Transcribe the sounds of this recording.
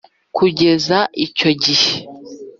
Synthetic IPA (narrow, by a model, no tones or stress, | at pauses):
kuɟe̞zaʔico̞ɟihe